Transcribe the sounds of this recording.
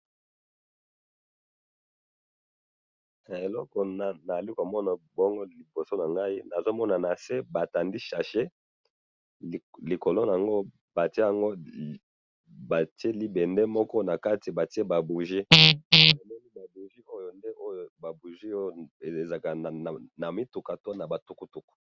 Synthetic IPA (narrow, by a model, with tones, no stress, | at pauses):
e˨lɔ˦kɔ˨n˨na˨a˨li˦ko˨mɔ˦na˨bɔ˦ŋɡo˦li˨bo˨so˦na˨ŋɡa˦i˦na˨zo˦mɔ˦na˨na˨se˦ba˨ta˨ndi˦ʃa˨ʃe˦˨ | li˨ko˨lo˦n˨a˨ŋɡo˦ | ba˨ti˦e˦ja˨ŋɡo˦ | ba˨ti˦e˦li˦bɛ˨ndɛ˦mɔ˦kɔ˦na˨ka˦ti˨ba˨ti˦e˦ba˨bu˨ʒi˦˨ | e˨mɔ˦ni˦ba˨bu˨ʒi˦o˦jo˨nde˦ʔo˦jo˨ba˨bu˨ʒi˦o˦e˨e˨za˨ka˨na˨mi˦tu˨ka˨to˦na˨ba˨tu˦ku˦tu˨ku̥˨